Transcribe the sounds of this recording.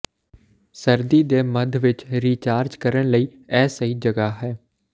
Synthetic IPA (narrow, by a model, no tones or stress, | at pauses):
səɾd̪iːd̪eːməd̪ʱʋɪt͡ʃɾiːt͡ʃaːɾd͡ʒkəɾəɳ̃ləiː | ɛːsəiːd͡ʒəɡaːɦɛː